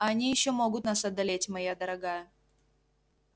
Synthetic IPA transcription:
anʲijɪɕːomoɡʊt̪nasɐd̪ːalʲetʲmɐjad̪əɾɐɡɑjə

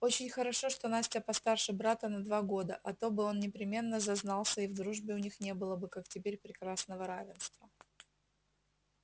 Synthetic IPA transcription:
o̞t͡ɕɪnʲxəɾɐʂoʂt̪o̞nasʲtʲapɐst̪arʂɨbɾat̪ənɐd̪vaɡo̞d̪ə̰ʔɐt̪o̞bɨo̞nnʲɪpɾʲɪmʲe̞nːəzɐznɑlˠsʲəivd̪ɾuʐbʲɪʊnʲixnʲe̞bɨlˠəbɨkaktʲɪpʲeɾʲpɾʲɪkɾasnəvəɾavʲɪnst̪və

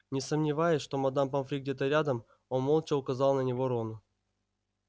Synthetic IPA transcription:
nʲɪsəmnʲɪvajɪsʲʂt̪o̞mɐd̪ampɐmfɾʲiɡ̚dʲe̞t̪əɾʲad̪əm | onmolˠt͡ɕəʊkɐzɑlˠnənʲɪvo̞ɾonʊ

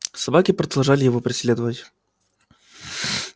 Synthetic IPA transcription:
sɐbakʲɪpɾəd̪ɐlˠʐalʲɪjɪvopɾʲɪslʲed̪əvətʲ

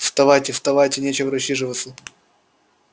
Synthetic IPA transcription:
fst̪ɐvajtʲɪfst̪ɐvajtʲɪnʲet͡ɕɪvəɾɐɕiʐɨvət̪sə

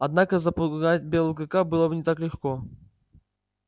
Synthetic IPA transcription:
ɐd̪nakəzɐpuɡatʲbʲɛlˠɡəkabɨlˠɐbnʲɪt̪aklʲɪxkɔ

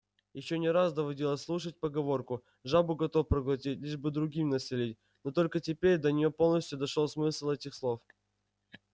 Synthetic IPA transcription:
jɪɕːonʲɪɾasd̪əvɐdʲilˠəsʲlˠuʂət̚ʲpəɡɐvo̞rkʊ | ʐabʊɡɐt̪o̞fpɾəɡlˠɐt̬ʲitʲlʲiʐbɨd̪ɾʊɡʲimnəsʲɪlʲit̚ʲ | not̪o̞lʲkətʲɪpʲeɾʲd̪ənʲɪjopo̞lˠnəsʲtʲʊd̪ɐʂolˠsmɨslˠɛtʲɪxslˠo̞f

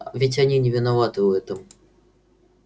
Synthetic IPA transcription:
vʲɪtʲɐnʲinʲɪvʲɪnavat̪ɨʊɛt̪əm

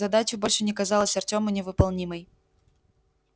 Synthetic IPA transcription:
ɐd̪at͡ɕɪbo̞lʲʂɨnʲɪkɐzɑlˠəsʲɐrtʲo̞mʊnʲɪvɨpɐlˠnʲiməj

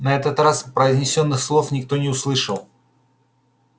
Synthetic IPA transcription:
nɐɛt̪ət̪raspɾəɪzʲnʲɪsʲo̞nːɨxslˠo̞fnʲɪkt̪o̞nʲɪʊslˠɨʂəlˠ

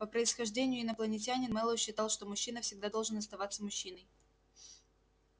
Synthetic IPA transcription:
pəpɾəɪsxɐʐdʲenʲɪjʊɪnəplˠənʲɪtʲanʲɪnmɛlˠəɕːɪt̪ɑlˠʂt̪o̞mʊɕːinəfsʲɪɡd̪ad̪o̞lˠʐɨnɐst̪ɐvat̪sːəmʊɕːinəj

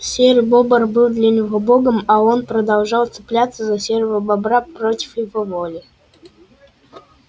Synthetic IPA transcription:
sʲerʲbobərbɨlˠd̪lʲanʲɪvoboɡəmao̞npɾəd̪ɐlˠʐɑlˠt̪sɨ̥plʲat̪səzɐsʲervəbɐbɾapɾotʲɪ̥fjɪvovolʲɪ

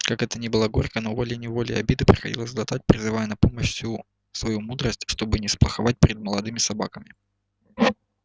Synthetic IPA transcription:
kakɛt̪ənʲibɨlˠaɡoɾʲkənovolʲɪjənʲɪvo̞lʲɪ̰jɐ̰bʲid̪ɨpɾʲɪxɐdʲḭlˠəszʲlˠɐt̪at̚ʲpɾʲɪzɨvajɛnɐpo̞məɕsʲu | svɐjumud̪ɾəsʲtʲʂt̪o̞bɨnʲɪsplˠəxɐvat̚ʲpʲɾʲɪd̪̚məlˠɐd̪ɨmʲɪsɐba̰kəmʲɪ

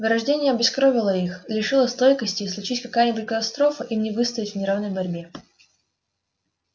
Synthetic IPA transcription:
vɨɾɐʐdʲenʲɪjəɐbʲɪskɾovʲɪlˠəixlʲɪʂɨlˠəst̪o̞jkəsʲtʲɪːslˠʊt͡ɕitʲkɐkajənʲɪbutʲkət̪ɐst̪ɾo̞fəʔimnʲɪvɨst̪əvɪtʲvnʲɪɾavnəjbɐɾʲbʲe

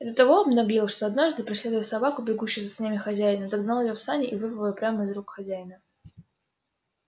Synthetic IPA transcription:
ɛzːət̪ɐvoɐbnoɐbʲjilˠəʂt̪oɐd̪naʐd̪ɨpɾʲɪsʲlʲe̞d̪ʊvjətsɐbakʊbʲɪɡuɕːɪʊjsəsʲnʲamʲɪxɐzʲæjɪnəzɐɡnalˠɪjofsanʲɪʔivɨvəvəəpɾʲaməɪzɾukxɐzʲæjɪnə

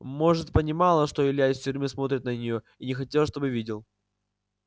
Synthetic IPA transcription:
mo̞ʐɨt̪pənʲɪmɑlˠəʂt̪o̞ɪlʲjasʲtʲʊɾʲmɨsmo̞t̪ɾʲɪt̪nənʲɪjo | inʲɪxɐtʲelˠʂt̪o̞bɨvʲidʲɪlˠ

